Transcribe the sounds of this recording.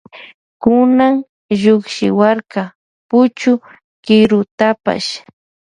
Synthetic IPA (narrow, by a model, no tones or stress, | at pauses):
kʊnaŋ | ʒʊkʃɪwaɾka | pʊt͡ʃʊ | kɪɾʊt̪apa̰ʃ